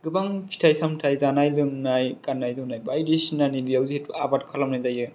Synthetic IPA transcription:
ɡɯbaŋpʰi̥tʰajsamtʰajzanajlɯŋnajkanːajzɯwnajbajdisnanibijawzihetuabat̚kʰalamnajzajɯ

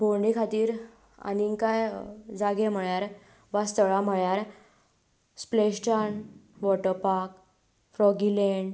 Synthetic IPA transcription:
bʱoɾɖikʰat̪iːɾ | a̰niŋkajd͡zaɡem̤əɭjaɾ | ʋast̪əɭam̤əɭjaɾ | spleɕt͡ɕaɳʋɔʈəɾpaɾk̚ | fɾɔɡileɳɖ

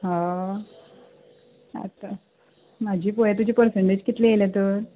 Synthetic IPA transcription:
ɦã | a̰t̪ːa | mad͡ʑʱiːpojet̪̬ud͡ʑʱipəɾseɳʈed͡ʑkit̪lɛelẽt̪əɾ

